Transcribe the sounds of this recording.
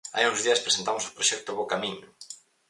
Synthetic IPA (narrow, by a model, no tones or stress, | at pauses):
a̰jũŋzðiɐspɾesent̪amoso̥pɾoʃɛk̚t̪ʊβokamiɲʊ